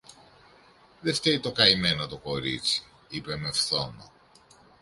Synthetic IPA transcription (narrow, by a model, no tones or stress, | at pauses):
ðe̞ft̪eit̪o̞kɐime̞nɐt̪o̞ko̞ɾḭt͡si̥ | ipe̞me̞fθo̞mɐ̰